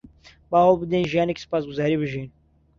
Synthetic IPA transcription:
baːɦolˠbɨd̪enʒijaːnekʲi̥sɨ̥paːsɡuzaːɾiːbɨʒin

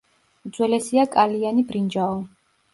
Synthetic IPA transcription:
d̪zwɛlɛsiakʼalianibɾind͡ʒaɔ

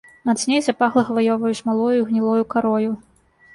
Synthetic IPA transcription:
nad̪sʲnʲejzapaxlˠɐxvajɔvɐjusmalˠɔjuiɣnʲilˠɔjukaɾɔju

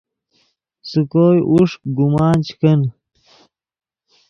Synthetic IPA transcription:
sukoːjʔuʂk̚ɡumɑːnt͡ɕkən

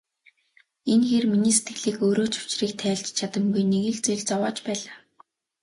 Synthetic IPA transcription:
enxeːrminiːset̪̚ɡɘ̆ɮiːkɵːɾoːt͡ɕʊ̥t͡ɕriːkt̪ʰæːɮt͡ɕt͡ɕʰat̪ə̆mɡujneɣɘ̆ɮt͡sɵɮʲt͡sɔwɔːt͡ɕpæːɮaː

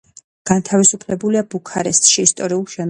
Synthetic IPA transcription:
ɡ̥ant̪ʰavisupʰlɛbuliabukʰaɾɛst̪ʼʃiːst̪ʼɔɾiulˠʃɛn

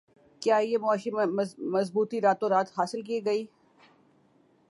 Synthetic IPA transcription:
kjaːjeːmʊaːʃimɐzbuːt̪iɾaːt̪õɾaːt̪ɦaːsɪlk̬iːɡɐiː

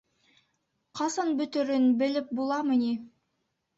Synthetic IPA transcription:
qʰɑsɑnbɵ̆t̪ɵ̆ɾɵnbɘ̆lɘp̚bulˠɑmɤ̆ni

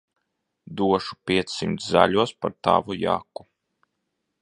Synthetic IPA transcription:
d̪uɔʃu̥pʲiɛt̪sːimt̪sza̰ʎʲuɔspaɾt̪a̰ːvuja̰ːku

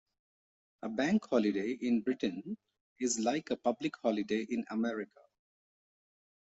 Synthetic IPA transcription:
ʔəbæ̃ŋkhɔlɪɖeɪʔɪ̃nbɾɪʈə̃n | ɪzlaɪkəpʌblɪkhɔlɪɖeɪʔɪ̃nə̰mɛɾɪkʰə

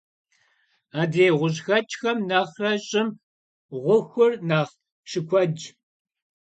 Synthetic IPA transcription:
aːdeːʁʷʊʑxɐt͡ʃʼxɐmnaːχrɐɕʼɪm | ʁʷʊxʷʊrnaːχ | ʃɨkʷʰɔd͡ʒ

